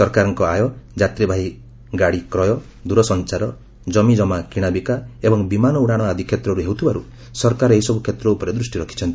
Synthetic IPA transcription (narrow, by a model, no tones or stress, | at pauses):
sɔɾkaɾɔŋkɔajɔd͡ʒat̪ɾibʱaj | ɡaɽikɾɔjɔ | d̪uɾɔsɔnt͡ʃaɾɔ | d͡ʒɔmid͡ʒɔmakiɽ̃abikaebɔŋbimanɔuɽ̃aɽ̃ɔad̪ʱikʰjet̪ɾɔɾuɦewt̪ʰibaɾu | sɔɾkaɾɔeisɔbukʰjet̪ɾɔupɔɾed̪ɾusʈiɾɔkʰi̥t͡ʃʰɔnt̪i